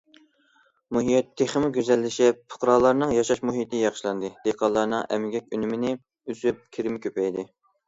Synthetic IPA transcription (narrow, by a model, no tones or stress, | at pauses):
muɦijɛt̪ʰːeχɪmɪɡʲyzɛlːɪʃɛpʰʊ̥qɾɑlˠɑɾnɨŋjɑʃɑʃmuɦit̪ʰɪjɑχʃlˠɑnd̪ɨd̪̥eqʰɑlˠɑɾnɨŋʔɛ̰mɪɡʲɛkʲynymɪnɪ | yzyp̚kʲʰeɾɪmɪkʲʰøpɛjd̪ɪ